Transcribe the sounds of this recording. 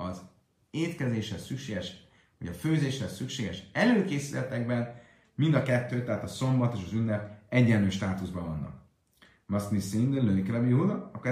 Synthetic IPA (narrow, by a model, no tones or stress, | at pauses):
ɒz | eːt̪kɛzeːʃhɛsykʃeːɡɛʃ | ho̰ɟɒføːzeːʃhɛsykʃeːɡɛʃɛløːkeːsilɛt̪ɛɡ̚bɛn | mind̪ɒkɛt̪ːøːt̪ɛɦaːt̪ɒso̞mbɒt̪eːʃɒzynːɛb̪̚ɛɟːɛlnyːʃt̪aːt̪uzbɒvɒnːɒ̰k | mɒsnisind̪lønikɾɛbiɦulɒkoɛ